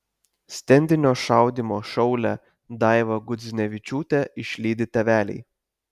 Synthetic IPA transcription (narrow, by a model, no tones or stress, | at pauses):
sʲt̪ʲɛnʲd̪ʲɪnʲoːʃɑˑʊd̪ʲimoːʃɔʊlʲɛ | d̪ɑˑɪʋɐɡʊd̪zʲnʲɛʋʲɪt͡ʃʲuːt̪ʲɛɪʃʲlʲiːd̪ʲɪt̪ʲɛʋʲæːlʲɛ̰ɪ